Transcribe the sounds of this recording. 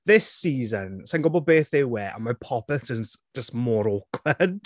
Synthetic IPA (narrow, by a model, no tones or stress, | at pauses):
ðɪsiːzənsanŋɡʊbɔd̚beːθɪwɛʔa̰mapʰɔpɛθʒ̥ənsd͡ʒəstmɔɾokʰwɛd